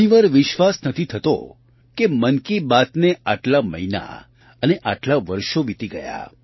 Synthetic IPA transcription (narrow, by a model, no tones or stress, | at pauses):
iʋaɾʋɪʃʋasnət̪ʰit̪ʰət̪o̰ | kemənkibat̪neaʈlamə̰ɦina̰ | əneʔaʈlaʋəɾʃoʋit̪iɡəja̰